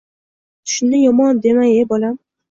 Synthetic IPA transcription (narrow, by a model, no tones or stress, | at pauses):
t̪ʰʊ̥ʃɪnːɪjɒmɒnd̪e̞maŋebolam